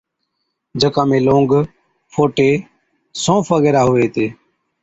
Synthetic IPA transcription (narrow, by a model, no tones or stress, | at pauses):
d͡ʒəkãːmẽːlõːŋɡ | fʰoːʈeː | sõːfəɣeːɾaːɦʊʋeːt̪eː